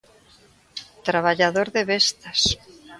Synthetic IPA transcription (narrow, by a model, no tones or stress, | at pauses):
t̪ɾaβaʎaðoɾðeβest̪as